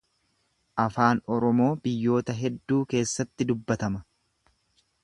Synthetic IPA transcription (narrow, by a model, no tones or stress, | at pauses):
ʔɐfaːnɔɾɔmo̞ːbɪjːo̞ːt̪ɐɦɛd̪ːuːke̞ːsːɐt̪ːɪd̪ʊbːɐt̪ɐmɐ